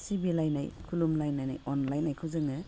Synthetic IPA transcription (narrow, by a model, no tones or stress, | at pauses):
sibilajna̰jkʰulumlajnːajna̰jɔnlajnajkʰɯwzɯŋɯ